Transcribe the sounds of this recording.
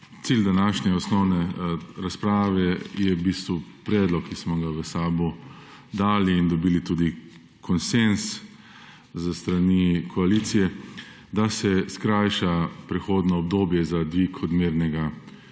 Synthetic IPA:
t̪siːld̪anaːʃnɛɔsnɔwnɛɾaspɾaːʋɛjɛbiːst̪ʋupɾɛːd̪lɔkʰːismɔɡaʋəsaːbu | d̪aːliːnd̪ɔbiːlit̪uːd̪i | kɔnsens | zəst̪ɾanikʰɔaliːt̪sijɛ | d̪asɛskɾajʃapɾɛxoːd̪nɔɔbd̪oːbjɛzad̪ʋiːkɔd̪meːɾnɛɡa

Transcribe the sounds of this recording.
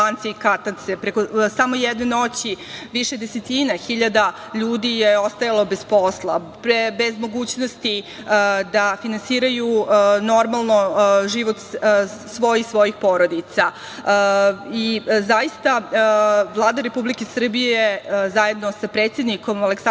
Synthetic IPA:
ant̪seikat̪ant̪sepɾekosamo̞jɛd̪neno̞t͡ɕi | ʋiʃed̪eset̪inaxiʎad̪a | ʎuːd̪ijeo̞st̪ajalˠo̞bespo̞slˠa | pbezmo̞ɡuːt͡ɕnost̪i | d̪afinansiːɾajuno̞ɾmalˠno̞ʒiʋot̪sʋo̞jixsʋo̞jixpo̞ɾo̞d̪it̪sa | izajist̪a | ʋlˠaːd̪aɾe̞publikesr̩bijezaje̞d̪no̞sapɾet̪sjed̪niko̞maleksa

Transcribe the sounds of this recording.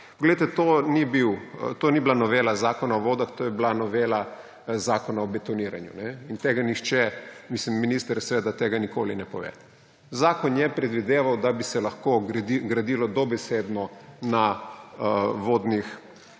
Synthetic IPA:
pɔɡlejt̪ɛt̪oːnibiwt̪oːniblanɔʋeːlazaːkɔnaɔʋoːd̪axt̪ojɛblanɔʋeːla | zakɔnaɔbɛt̪ɔniːɾa̰njṵnɛint̪eːɡanixt͡ʃɛmislimːinist̪əɾsʋed̪at̪eːɡanikoːlinɛpɔʋḛ | zaːkɔnjɛpɾɛd̪ʋid̪eːʋawd̪abisɛlaxkoiɡɾad̪iːlɔd̪ɔbɛseːd̪nɔna | ʋoːd̪nix

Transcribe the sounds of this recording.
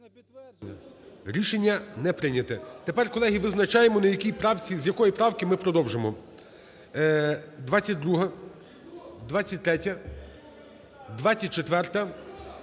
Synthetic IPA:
ɾʲiʃenʲːɐnɛpɾɪnʲɐt̪ɛt̪epɛrkɔlˠɛɦiʋɪznɐt͡ʃɑjemɔnɐjɐkʲijpɾɑwt͡sʲizʲjɐkɔjipɾɑwkɪmɪpɾɔd̪ɔwʒemɔ | d̪ʋat͡sʲːɐt̚ʲd̪ɾuɦɐ | d̪ʋat͡sʲːɐt̚ʲt̪ɾɛtʲɐ | d̪ʋat͡sʲːɐt̚ʲt͡ʃet̪ʋɛrt̪ɐ

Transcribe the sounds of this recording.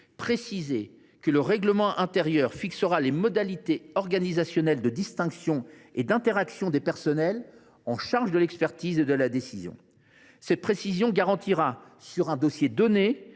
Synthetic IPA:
pχesize | kələʁɛɡləmɑ̃ʔɛ̃t̪eʁjœʁfiksəʁalemɔd̪alit̪eɔʁɡanizasjɔnɛld̪əd̪ist̪ɛ̃ksjɔ̃ed̪ɛ̃t̪eʁaksjɔ̃d̪epɛʁsɔnɛl | ɑ̃ʃaʁʒd̪əlɛkspɛʁt̪ized̪əlad̪esizjɔ̰̃ | sɛt̪̚pχesizjɔ̃ɡaʁɑ̃t̪ʰiʁa | syʁɛ̃d̪ɔsjed̪ɔne

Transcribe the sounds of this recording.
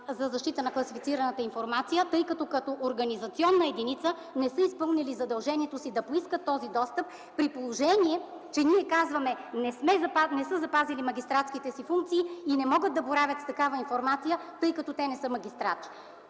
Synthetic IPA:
zɐzɐʃt̪it̪ənɐklˠɐsifit̪iɾɐnət̪əinfoɾmat̪sijət̪ɤjkɐt̪ɔkɐt̪ɔʔoɾɡɐnizɐt̪siɔnːəɛd̪init̪sə | nɛsɤispɤlˠnilizɐd̪ɐlˠʒɛniɛt̪osid̪ɐpoiskət̪ːɔzid̪ɔst̪əpː | ɾipolˠoʒɛniɛ | t͡ʃɛniɛkazvɐmɛnɛsmɛanɛsɤzɐpazilimɐɡʲist̪ɾat̪skit̪ɛsifuŋk̚t̪siːinɛmɔɡət̪̚d̪ɐboɾavʲət̪st̪ɐkavəinfoɾmat̪sijət̪ɤjkɐt̪ɔt̪ɛnɛsɤmɐɡʲist̪ɾa̰t͡ʃ̪i̥

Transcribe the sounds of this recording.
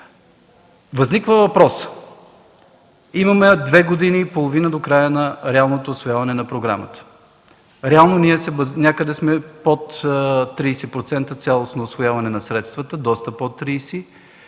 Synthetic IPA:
vɐznikvəvɐpɾɔs | imɐmɛd̪vɛɡod̪iniːpolˠovinəd̪okɾajənɐɾɛalˠnot̪oːsvojavɐnɛnɐpɾoɡɾa̰mət̪ə̥ | ɾɛalˠnoniɛsɛvəznʲakəd̪ɛsmɛpot̪ːɾiːsɛpɾot̪sɛnt̪ət̪sʲalˠosnoːsvojavɐnɛnɐsɾɛt̪st̪vɐt̪əd̪ɔst̪əpot̪ːɾiːsi

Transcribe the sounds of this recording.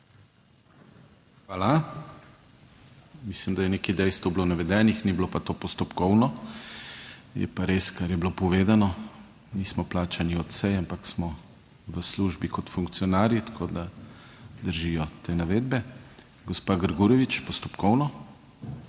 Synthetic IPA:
xʋaːla | mislimd̪ajɛneːkɛd̪ɛjst̪ʋoblonaʋɛd̪ɛːnixniblopat̪opɔst̪ɔpkɔwnɔ | jɛ̰paɾeskaɾjɛblopɔʋeːd̪anɔ | niːsmɔplaːt͡ʃaniɔt̪sɛjampaksmɔ | ʋəsluʒbikɔt̪fuŋk̚tsijɔnaːɾjit̪ḁkʰod̪a | d̪əɾʒijɔt̪eːnaʋeːd̪̚bɛ | ɡɔspaɡəɾɡuɾɛʋit͡ʃpɔst̪ɔ̥pkɔwnɔ

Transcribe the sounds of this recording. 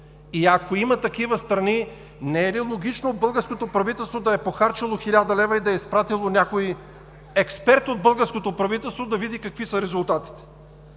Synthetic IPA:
iakoimɐt̪ɐkivəst̪ɾɐni | nɛɛlilˠoɡit͡ʃnoːd̪bɤlˠɡəɾskot̪opɾɐvit̪ɛlˠst̪vod̪ɐɛpoxaɾt͡ʃɐlˠoxilʲad̪ɐlɛvɐid̪ɐɛispɾat̪ilˠonʲakoi | ɛkspɛɾt̪od̪̚bɤlˠɡəɾskot̪opɾɐvit̪ɛlˠst̪vod̪ɐvid̪ikɐkvisəɾɛzʊlˠt̪at̪i̥t̪ɛ̥

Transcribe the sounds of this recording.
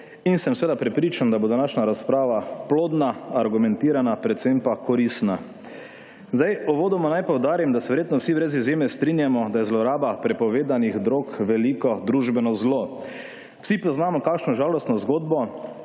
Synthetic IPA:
insɛmsʋeːd̪apɾɛpɾiːt͡ʃand̪abod̪onaʃnaɾaspɾaːʋaploːd̪naːɾɡumɛ̃nt̪iːɾanapɾɛt̪sempakɔɾist̪na | zd̪ajɔʋoːd̪ɔmɔnajpɔwd̪aːɾimd̪asɛʋɛɾjeːt̪nɔwsiʋɾɛzizjeːmɛst̪ɾinjamɔd̪ajɛzlɔɾaːbapɾɛpɔʋeːd̪aniɣd̪ɾokʋɛlikɔd̪ɾuʒbɛnɔzlo | wsipɔznamɔkaːkʃnɔʒaːlɔst̪nɔzɡoːd̪bɔ

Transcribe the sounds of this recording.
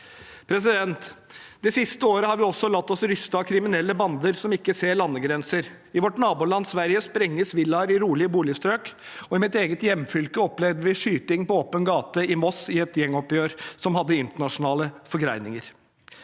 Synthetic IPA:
pʰɾɛs̬ɪd̪ɛnt̪d̪̥ɛsɪst̪əoːɾəhɑɾʋɪɔsːɔlɑt̪ːɔsɾʏst̪ɑkʰɾɪmɪnɛlːəbɑnd̪əɾsɔmɪkːəseːɾɭɑnːəɡɾɛnsəɾ | ɪʋɔʈnɑːbuːlɑnsʋæɾjəspɾɛŋːəsʋɪlːɑɾɪɾuːlɪəbuːlɪst̪ɾøːkɔɪmɪt̪eːɡət̪jɛmːfʏlkəɔplɛʋd̪əʋɪʂyːt̪ɪŋpɔoːpənɡɑːt̪əɪmɔsɪɛt̪jɛŋːɔpjøːɾsɔmhɑd̪ːəɪnt̪əɳɑʂʊnɑːləfɔɾɡɾæɪnɪŋəɾ

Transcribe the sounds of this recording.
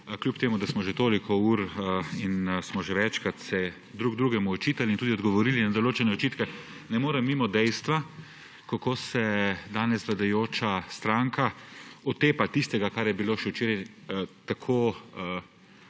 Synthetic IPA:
klʲjupt̪eːmud̪asmɔʒɛt̪oːlikʰɔuːɾinsmɔʒɛʋɛt͡ʃkɾat̪sɛ | d̪ɾuːɡd̪ɾuːɡɛmuɔt͡ʃiːt̪alint̪ud̪iɔd̪ɡɔʋɔɾiːlinad̪ɔloːt͡ʃɛnɛɔt͡ʃiːt̪kɛ | nɛmoːɾɛmːimɔd̪ɛjst̪ʋa | kakoːsɛd̪aːnɛsʋlad̪ajoːt͡ʃast̪ɾaŋkaɔt̪eːpat̪ist̪ɛɡakaɾjɛbiloːʃɛwt͡ʃeːɾaj | t̪akʰoːə

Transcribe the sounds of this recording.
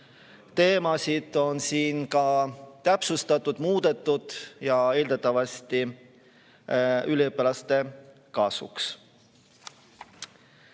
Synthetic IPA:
t̪e̞ːmɑsid̪̥o̞nsiːnkɑt̪æpsust̪ɑt̪ːˑud̪̥muːd̪̥e̞t̪ˑːud̪̥jɑe̞ːld̪et̪ːˑɑvɑst̪i | yliɤpːelɑst̪e̞ | kɑːsṵks

